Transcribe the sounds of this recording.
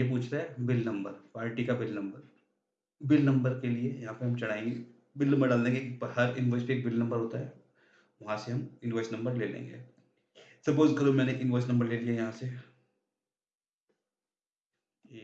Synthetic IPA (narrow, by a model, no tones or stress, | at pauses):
ep̬uːt͡ʃʰt̪aɦɛbɪlnɐ̃mbəɾpaːɾʈikabɪlnɐ̃mbəɾ | bɪlnɐ̃mbəɾkeliejɐɦãːpeɦɐmt͡ʃɐɽ̤aːẽɡ | bɪlnɐ̃mbəɾɖaːld̪ẽːŋɡekipɐɦɐɾjʊnɪʋəɾspieːk̚bɪlnɐ̃mbəɾɦoːt̪aɦɛ | ʋɐɦãseɦɐmɪnʋaːɪsnɐ̃mbəɾleːlḛ̃ːŋɡḛː | sɐpoːzkɐɾomɛːneʔɪnɪʋaːsnɐ̃mbəɾleːlijajɐɦãse